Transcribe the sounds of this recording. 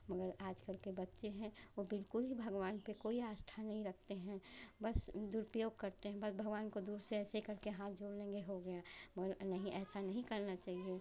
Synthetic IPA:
mɐɡəɾaːd͡ʒkəlkebɐtːʃeɦɛ̃ʋobɪlkʊlɦibʱɐɡʋaːnpekoːiaːsʈʰanɐɦĩɾɐk̚ʰt̪eɦɛ̃bɐsd̪uːɾpɾəjoːɡ̚kɐɾt̪eɦɛ̃bɐsbʱɐɡʋaːnkod̪uːɾseɛːsekɐɾkeɦãːt̪̚d͡ʒʱoːɽlẽːŋɡeɦoɡɐjamɐɡəɾnɐɦĩʔɛːsanɐɦĩkɐɾnat͡ʃaːɦie

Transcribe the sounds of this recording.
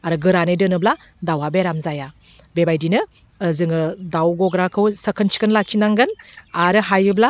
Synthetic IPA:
aɾɯɡɯɾanɯdɯnɯbla | dawabeɾamzaja | bebajdinɯː | zɯŋɯdawɡɔɡɾakʰɯwsəkʰənt͡ʃʰi̥kɯnlakʰinaŋɡɯnaɾɯɦajɯbla

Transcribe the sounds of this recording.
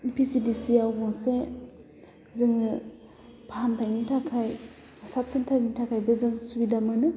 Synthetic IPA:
ipʰisidisiaɡɔŋse | zɯŋɯ | pʰaɦamtʰajnitʰakʰaj | sap̚sentʰaɾnitʰakʰajbɯzɯŋsubidamɯnɯ

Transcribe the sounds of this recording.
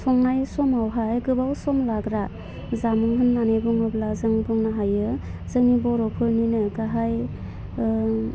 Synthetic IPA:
sʰɔŋnajsɔmawɦajɡɯbawsɔmlaɡɾa | zamɯŋɦɯnːanajbuŋɯblazɯŋbuŋnaɦajɯzɯŋibɔɾɔpʰɯɾninɯɡaɦaj

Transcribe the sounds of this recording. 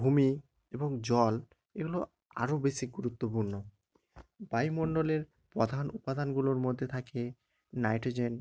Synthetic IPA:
bʱumi | eboŋd͡ʑɔl | ḛɡulo | a̰ɾobeʃiɡuɾut̪ːopuɾno | bajmoɳɖoleɾ | pɾɔd̪ʱanupad̪ʱanɡuloɾmod̪ʱːet̪ʰakeː | ajʈod͡ʑen

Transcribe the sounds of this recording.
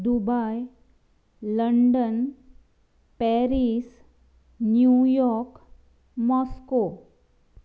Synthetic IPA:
d̪ubaj | ləɳɖən | pɛɾis | njujɔɾk | mɔsko

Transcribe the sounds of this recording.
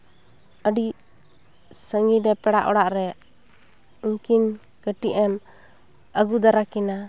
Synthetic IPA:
əɖi | səŋidɛpɛɽaʔɔɽaʔɾɛ | uŋkin | kəʈiʔɛm | əɡud̪aɾakina

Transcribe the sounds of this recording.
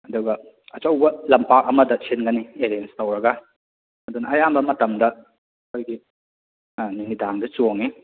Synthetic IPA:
ɐduɡɐ | ɐt͡ʃɐwbɐlɐmpak̚ɐmɐdɐsʰinɡɐnieɾenstɐwɾɐɡɐ | ɐdunɐɐjambɐmɐtɐmdɐ | kʰojɡi | ninidaŋdɐt͡ʃoŋi

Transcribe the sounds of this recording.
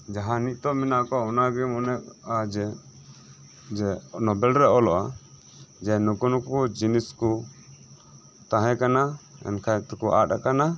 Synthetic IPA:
d͡ʒaɦaniʔ̚t̪ɔminaʔkɔɔnaɡimɔnɛkad͡ʒɛ | d͡ʒɛnɔbɛlɾɛɔlɔʔa | d͡ʒɛnukunkud͡ʒinisku | t̪ãɦɛ̃kanaɛ̰nkʰat̪ɛkuʔa̰ʈakana

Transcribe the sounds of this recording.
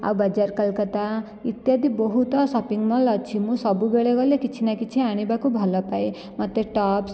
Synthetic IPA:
a̰bwbʌd͡ʒarkʌlkʌt̪a | it̪jad̪ibɔɦut̪ʌsʌpiŋmʌlʌt͡sʰimũsʌbubeɭeɡʌlekit͡sʰinakit͡sʰiaɽ̃ibakobʱʌlʌpaj | mat̪eʈʌps

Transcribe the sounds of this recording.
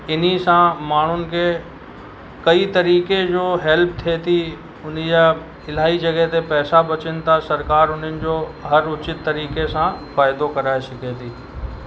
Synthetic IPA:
ɪn̤isãmaːɳ̤ʊnɪ̆kʰe | kɐit̪ɐɾiːked͡ʑoːɦɛlp̚t̪ʰiet̪ʰi | ʊn̤id͡ʑa | ɪl̤aːid͡ʑɐɡɛɦt̪epɛːsabɐt͡ɕɪnɪ̆t̪ʰasɐɾkaːɾʊnənɪ̆d͡ʑoːɦɐɾʊt͡ɕɪt̪ːɐɾiːkesãfaːɪd̪okɐɾaːesɐkʰet̪ʰiː

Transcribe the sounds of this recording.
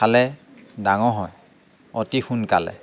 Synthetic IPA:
alɛ | daŋɔɦɔj | ɔtixunkalɛ̰

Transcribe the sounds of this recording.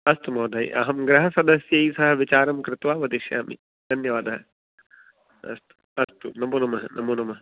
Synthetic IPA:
ɐst̪umɐːd̪ʱaːḭʔɐ̰ɦɐmɡɾɐɦɐsɐd̪ɐsjɐisɐɦɐʋit͡ʃaːɾɐmkɾɪt̪ʋaːʋɐd̪iʃja̰ːmḭ | d̪̥ʱɐnjɐʋaːd̪ɐɦɐ | ɐ̰st̪u̥ɐst̪unɐmuːnɐmɐɦɐnʔɐmuːnɐmɐɦɐ

